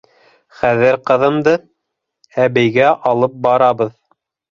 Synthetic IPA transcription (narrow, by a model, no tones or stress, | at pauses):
χæðɘɾqɤ̆ðɤ̆md̪ɤ | æβɘ̆jɡæʔɑlˠɤp̚bɑɾɑβɤð